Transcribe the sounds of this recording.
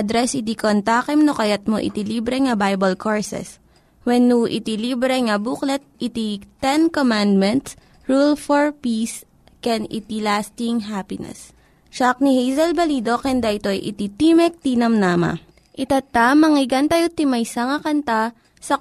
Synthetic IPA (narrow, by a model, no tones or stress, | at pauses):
d̪ɾɛsɪt̪ikont̪aːkɛmnokɐjat̪̚moʔɪ̰t̪iliːbɾɛŋɐbajbɐlkʰoɹsɛ̰s | wɛnːuʔɪ̰t̪ilibɾɛŋɐbuklɛt̪̚ɪt̪it̪ɛnkomand̪mɛnt̪s | ɹulfoɹpis | kɛnɪ̰t̪ilast̪ɪŋɦapɪnɛ̰s | ʃak̚nihejzɐlbɐliːd̪o̞kɛnd̪aʔɪt̪o̞jʔɪ̰t̪it̪imɛk̚t̪inɐmnaːmɐ̰ | ʔɪt̪at̪amɐŋɪɡɐnt̪ajot̪imɐjsɐŋɐkɐnt̪a | sɐ